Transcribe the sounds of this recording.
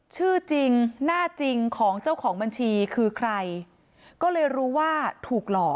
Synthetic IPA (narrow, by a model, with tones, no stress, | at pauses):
t͡ɕʰɯː˥˩t͡ɕi˧ŋnaː˥˩t͡ɕi˧ŋkʰɔː˩˦ŋt͡ɕa˥˩wkʰɔː˩˦ŋba˧nt͡ɕʰiː˧kʰɯː˧kʰɾa˧j | kɔː˥˩lɤː˧jɾuː˦˥waː˥˩t̪ʰuː˨˩k̚lɔː˨˩k̚